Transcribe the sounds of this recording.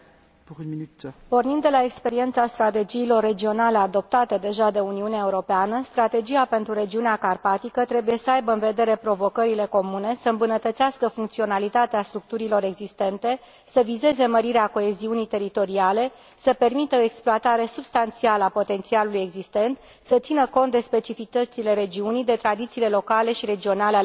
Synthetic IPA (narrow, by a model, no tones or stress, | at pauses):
pnmipo̞rnind̪e̞lae̞kspe̞ɾie̞nt̪sast̪ɾat̪e̞d͡ʒiːlo̞rːe̞d͡ʒio̞nalead̪o̞p̚t̪at̪əd̪e̞ʒad̪e̞uniuneae̞uɾo̞peanəst̪ɾat̪e̞d͡ʒiape̞nt̪ɾuɾe̞d͡ʒiuneakarpat̪ikət̪ɾe̞buje̞səajbəɨnve̞d̪e̞ɾe̞pɾo̞vo̞kəɾile̞ko̞mune̞səɨmbunət̪ət̪siaskəfuŋk̚t̪sio̞nalit̪at̪east̪ɾuk̚t̪uɾilo̞ɾe̞ɡzist̪e̞nt̪e̞ | səvize̞ze̞məɾiɾeako̞e̞ziunijt̪e̞ɾit̪o̞ɾiale̞ | səpe̞rmit̪əoeksploat̪aɾe̞subst̪ant̪sialəapo̞t̪e̞nt̪sialuluje̞ɡzist̪e̞nt̪ | sət̪sinəko̞nt̪d̪e̞spe̞t͡ʃifit̪ət̪sile̞ɾe̞d͡ʒiunid̪e̞t̪ɾad̪it̪siːle̞lo̞kale̞ʃiɾe̞d͡ʒio̞nale